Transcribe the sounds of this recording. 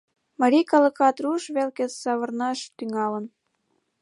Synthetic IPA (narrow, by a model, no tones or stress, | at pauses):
mɑɾʲikɑlə̆kɑt̪ruʃβelket͡ssɑβɤ̆rnɑʃt̪yŋɑlə̆n